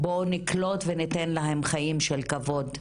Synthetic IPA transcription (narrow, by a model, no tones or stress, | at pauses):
bo̞niklo̞tvenit̪enlaɦe̞mχajimʃelkavo̞d̪